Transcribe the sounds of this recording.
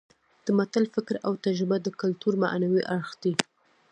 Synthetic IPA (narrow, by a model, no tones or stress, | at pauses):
d̪̥əmat̪alfɪkɾawt̪ad͡ʒɾɪbad̪əkʊlt̪uɾma̰ʔnawiʔaɽxd̪̥i